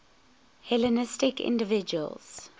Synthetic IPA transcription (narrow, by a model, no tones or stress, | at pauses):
hɛlənɪstɪkʰɪ̰̃ndəvɪd͡ʒuə̰lˠz̥